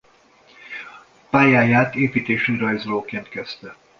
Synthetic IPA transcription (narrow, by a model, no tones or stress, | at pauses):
paːjaːjaːt̪eːpiːt̪eːʃyrɒjzloːkeːnt̪kɛst̪ɛ